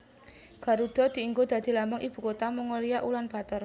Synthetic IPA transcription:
ɡ̥a̤ɾud̪̥ɔ̤d̪̥i̤iŋɡod̪̥a̤d̪̥i̤lamɔŋʔib̥ṳkot̪aməŋoliaʔulanb̥a̤t̪ɔr

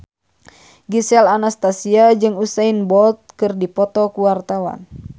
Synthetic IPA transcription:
ɡisɛlanast̪asiad͡ʒɨŋusainbɔlt̪̚kɨrdipɔt̪ɔkuwart̪awa̰n

